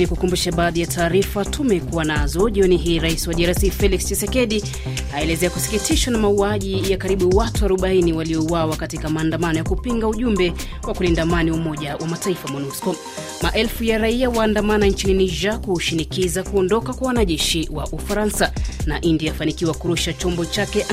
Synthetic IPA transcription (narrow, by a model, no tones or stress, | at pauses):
nikukumbuʃaɓaːðijatʰaːɾifatumɛkuwanazɔʄiɔniɦiːɾaisiwaɗiaɾasifɛlikst͡ʃisɛkɛɗi | aɛlɛzɛakusi̥kitʰiʃwanamauaʄijakaɾiɓuwatuaɾuɓainiwaliɔuwawakatikamaːndamanɔjakupiŋɡauʄumbɛ | kwakulindamaniumɔʄawʔamataifamɔnuskɔ | maʔɛlfujaɾaiawaːndamanant͡ʃininiʒakuʃinikizakuɔndɔkakwawanaʄɛʃiwaʔufaɾansanaʔindiafanikiwakuɾuʃat͡ʃɔmbɔt͡ʃakɛʔ